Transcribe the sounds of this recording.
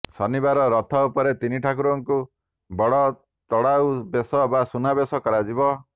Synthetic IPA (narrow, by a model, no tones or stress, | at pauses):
sɔnibaɾɔɾɔt̪ʰɔupɔɾet̪iniʈʰakuɾɔŋku | bɔɽɔ | t̪ɔɽawbesɔbasunabesɔkɔɽad͡ʒibɔ